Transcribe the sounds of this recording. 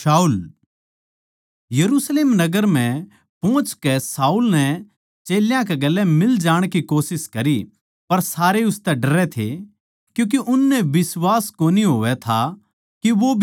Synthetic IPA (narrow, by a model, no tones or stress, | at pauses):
saːuːl | jɐɾuːsleːmnɐɡəɾm̤ɛ̃ | põːt͡ʃkɛsaːulnɛ | t͡ʃeːljãkɛɡɐlːɛmɪld͡ʒaːɽ̃kikoːsɪskɐɾi | pɐɾsaːɾeʊst̪ɛɖɐɾɛt̪ʰḛ | kjũːk̬eʔʊnːɛbɪswaːskoːniɦoːʋɛt̪ʰa | kiʋobʱ